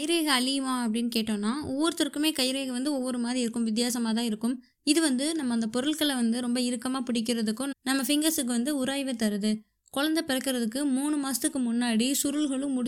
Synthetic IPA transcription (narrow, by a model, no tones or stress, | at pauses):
kɐjɪɾeːɣɐɐɭɪjɐʋãːɐpːɐɽɪnːɯkeːʈːõːnːaːɔʋːɔɾɯt̪ːɪɾkɯmeːkɐjɪɾeːɣɐʋɐnd̪ɯɔʋːɔɾɯmaːðɾiɪɾɯkːɯmʋɪt̪̬ːjaːsɐmaːt̪ãːɪɾɯkːɯm | ɪðɯʋɐnd̪ɯnɐmːɐnd̪ɐpɔɾɐɭkɐɭɐʋɐnd̪ɯɾɔmbɐɪɾɯkːɐmaːpɪɽɪk̬ːɪɾɐðɯkːʊ̃nɐmːɐfɪŋɡɐsɯk̬ːɯʋɐnd̪ɯʊɾaːjʋɐt̪ːɐɾɯðɯ | kɔɭɐnd̪ɐpɪɾɐkːɪɾɐðɯkːɯmuːɳɯmaːst̪ɯkːɯmʊnːaːɽisʊɾɯɭɣɐɭɯ̃mʊɽ